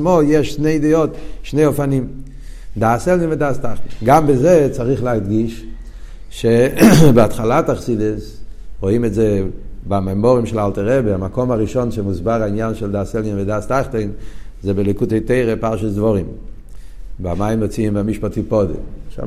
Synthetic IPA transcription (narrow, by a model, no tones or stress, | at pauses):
mojɛʃneidiotʃneɪofanim | daːsɛlnimvedaːstaχtenɡambezɛt͡saʁiχlehadɡiʃ | ʃebeatχalataχsidesʁoimɛtzɛbamamɔʁimʃɛlaltaʁɛbeamakomaʁiʃɔnʃɛmuzbaʁainjanʃɛldaːsɛlninvɛdaːstaχten | zɛbelikutojteɪʁepaʁʃasdvoʁim | bamajimot͡siːmbamiʃpatipodḛʃa̰